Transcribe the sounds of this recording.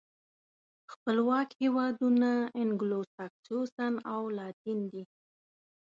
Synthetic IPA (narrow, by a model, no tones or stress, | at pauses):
xpəlwɑkhewɑd̪unaɪŋɡlosaksosanawlɑt̪ind̪i